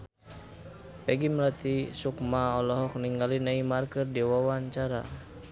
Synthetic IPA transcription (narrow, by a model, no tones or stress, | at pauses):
pɛɡiməlat̪isukmaɔlɔɦɔk̚niŋɡalinaimarkərdiwawaɲt͡ʃaɾa̰